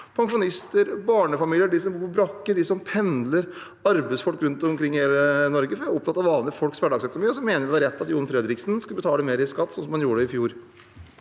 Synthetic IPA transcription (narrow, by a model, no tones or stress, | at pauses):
pʰɑŋʂʊnɪst̪əɾbɑːɳəfɑmiːljəɖɪsɔmbbɾɑkːəɖɪsɔmpʰɛnd̪ləɾ | ɑɾbɛsfɔlkɾʉnt̪ɔmkʰɾɪŋːheːlənɔɾɡəfɔɾjæɔp̚t̪ʰɑt̪ːɑʋɑːʋnəfɔlksʋæɖɑɡsœkʊnʊmiːɔsɔmeːnəɾʋɪʋɑɾɛt̪ːɑt̪juːnfɾɛd̪ɾɪksn̩skʉləbət̪ʰɑːləmeːɾɪskɑt̪ːsɔnsɔmhɑnjuːəɖəɪfjuːɾ